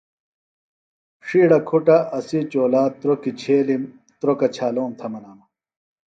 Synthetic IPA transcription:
ʂiːɽɐkʰuʈaʔɐsit͡ɕoːlaːt̪ɾokit͡ɕʰeːlim | t̪ɾokɐt͡ɕʰaːloːnt̪ʰɐmɐnaːmɐ

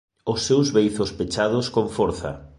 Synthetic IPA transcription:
ʊsːewzβejθospet͡ʃaðʊskoɱfɔɾθɐ̰

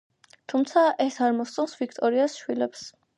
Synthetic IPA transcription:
t̪ʰumt̪sʰaʔɛsaɾmɔst̪sʼɔnsvik̚ʰt̪ʼɔɾiasʃwilɛps

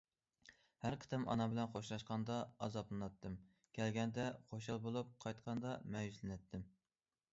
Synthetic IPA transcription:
hæɾqʰə̥t̪ʰɛmɑ̰nɑbɪlɛnqʰoʃlˠɑʃqɑnd̪ɑɑ̰zɑplˠɨnɑt̪ʰːɨm | kʲʰɛlɡʲɛnd̪ɛqʰoʃɑlˠbolˠup̚qʰɑjt̪qʰɑnd̪ɑmɛjyzzlɪnɛt̪ʰːɪm

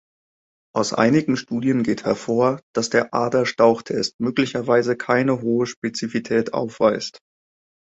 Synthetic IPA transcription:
ʔaʊsʔa̰ɪnɪɡŋ̩ʃtuːdjənɡeːthɛɐfoːɐd̥asd̥eːɐʔa̰ːdɐʃtaʊxtʰɛst̚møːklɪçɐvaɪzəkʰaɪnəɦoːəʃpet͡sifitʰɛːta̰ʊfv̥aɪst

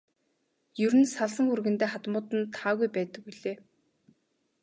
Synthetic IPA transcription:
jɵɾɘ̆nsaɮsə̆ŋxurɣɘ̆nt̪eːχat̪mʊːt̪ɘ̆nt̪ʰaːɣujpæːt̪ə̆k̚wuɮeː

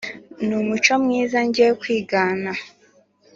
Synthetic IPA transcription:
numut͡ʃɔmŋiːzaɲɟekwiːɡaːna

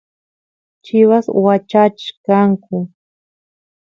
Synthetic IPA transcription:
t͡ʃɪwaswat͡ʃat͡ʃɪ̥kaŋkʊ

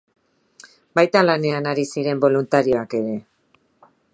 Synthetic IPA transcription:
bajt̪alane̞anaɾisiɾe̞mbo̞lunt̪aɾio̞ake̞ɾe̞

